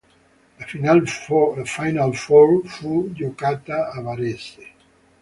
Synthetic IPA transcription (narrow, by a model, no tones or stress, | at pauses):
lafinallafajnalfɔlfud͡ʒokat̪aːβaɾese